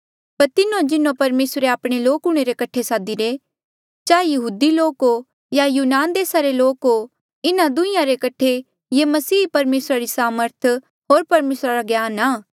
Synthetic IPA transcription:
pɐɾt̪ɪnõd͡ʒɪnõpɐɾmeːsɾeaːpɽ̃eloːkʊɽ̃eɾekɐʈʰesaːd̪iɾe | t͡ʃaːejɐɦuːd̪iloːko | jajuːnaːnd̪eːsaɾeloːko | ɪnãd̪ʊ̃ɪ̃jãɾekɐʈʰːe | jemɐsiːpɐɾmeːsɾaɾisaːməɾt̪ʰ | ɦoːɾpɐɾmeːsɾaɾaɡjaːnaː

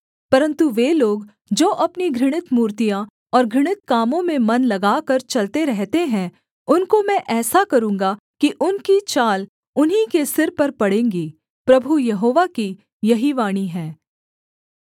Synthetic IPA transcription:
pɐɾə̃nt̪uʋeːloːɡ | d͡ʒoːʔɐpniɡʱɾɪɽ̃ɪt̪muːɾt̪ijã | ɔːɾɡʱɾɪɽ̃ɪt̪̚kaːmõmẽmɐnlɐɡaːkɐɾt͡ʃɐlt̪eɾɛɦt̪eɦɛ̃ | ʊnkomɛ̃ʔɛːsakɐɾũːŋ̆ɡa | kiʔʊnkit͡ʃaːl | ʊnɦikesɪɾpɐɾpɐɽẽːŋɡiː | pɾɐbʱujɐɦoːʋaki | jɐɦiʋaːɽ̃iɦɛ̃ː

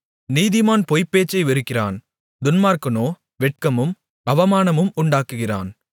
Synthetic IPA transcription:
niːðɪmaːnpɔjpːeːt͡ʃːɐɪʋɪɾɯkːɪra̰ːn | d̪ʊnmaːɾkɐnoː | ʋɛʈ̚kɐmɯm | ɐʋɐmaːnɐmɯmʊɳɖaːkːɯɣɪra̰ːn

